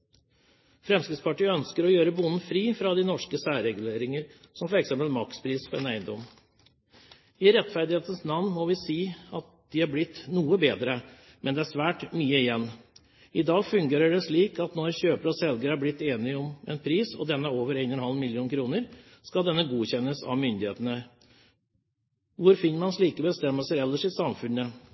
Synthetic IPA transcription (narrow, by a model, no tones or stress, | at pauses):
fɾɛmskɾɪspɑʈiːəœnskəɾɔjøːɾəbʊnn̩fɾiːfɾɑd̪ɪnɔʂkəsæːɾɛɡʉleːɾɪŋəɾ | sɔmfɔɾɛksɛmpəlmɑkspʰɾiːsfɔɾɛnæɪnd̪ɔm | ɪɾɛt̪ːfæɾd̪ɪheːt̪ən̩snɑnnmɔʋɪsiːɑt̪̚d̪ɪhɑɾblɪt̪ːnuːəbeːd̪ɾə | mʔɛnd̪ɛæʂʋæːʈmyːəɪjɛnː | ɪd̪ɑːɡfʉŋɡeːɾəɖɛʂɭiːkɑt̪nɔɾçøːpəɾəɔsɛlɡəɾəæɾblɪt̪ːeːnɪɔmɛ̰npʰɾiːsɔ̰d̪ɛnːəoːʋəɾeɪnɛnhɑlmɪljuːnkʰɾuːnəɾ | skɑld̪ɛnːəɡuːçɛnːəsɑ̰ʋmʏnd̪ɪhḛːt̪ənə | ʋʊɾfɪnːəɾmɑnʂɭiːkəbəst̪ɛmːəlsəɾɛlːəʂɪsɑmfʉnːə